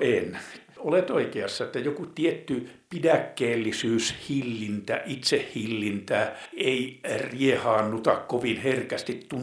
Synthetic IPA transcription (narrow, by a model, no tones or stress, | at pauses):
en | olet̪oikeɑsːɑet̪ːæjokut̪iet̪ːypidækːeːlːisyːshilːint̪æ̰ʔit̪sehhilːint̪æeiriehɑːnnut̪ɑkkoʋinherkæst̪it̪t̪un